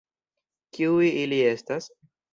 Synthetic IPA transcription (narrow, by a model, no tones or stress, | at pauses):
kiujilie̞stas